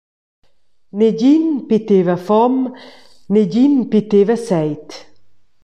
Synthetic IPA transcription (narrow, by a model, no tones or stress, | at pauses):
neɟinpit̪evafɔm | neɟinpit̪evasɛjt̪